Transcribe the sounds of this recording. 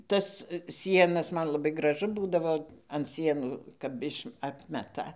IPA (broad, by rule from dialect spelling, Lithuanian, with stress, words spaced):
ˈtɐs ˈsʲiɛnɐs ˈmɐn lˠɐˈbɐɪ ɡrɐˈʒʊ ˈbuːdɐʋoː ɐn ˈsʲiɛnuː kɐp ˈɪʃ ˈɑːpʲmʲɛtɐ